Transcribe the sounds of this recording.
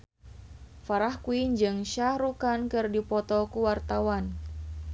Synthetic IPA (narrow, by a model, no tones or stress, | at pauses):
faɾahkuiɲd͡ʒɨŋʃahɾukankɨrdipɔt̪ɔkuwart̪awan